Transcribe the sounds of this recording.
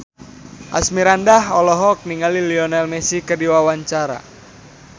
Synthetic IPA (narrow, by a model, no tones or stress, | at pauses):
ʔa̰smiɾandahɔlɔɦɔk̚niŋaliliɔnɛlmɛsikərdiwawaɲt͡ʃaɾa̰